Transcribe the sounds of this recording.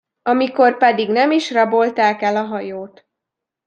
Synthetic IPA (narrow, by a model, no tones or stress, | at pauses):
ɒmiko̞rpɛd̪iɡnɛmiʃrɒbolt̪aːkɛlɒɦɒjoːt̪